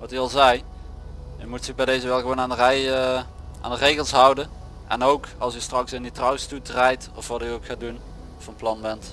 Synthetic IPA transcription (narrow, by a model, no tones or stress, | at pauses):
ʋɑtyɑlˠzɛj | jəmutsəbɛjdejzəʋɛlˠɣəʋownaːndərɛ | a̰ːndərejɣəlˠsɦɑwdən | ʔɛ̰nowkɑlˠsəstrɑksɪnditrɑwstutrɛjtɔfʋɑtyowkxaːdun | fɑnplɑnbɛnt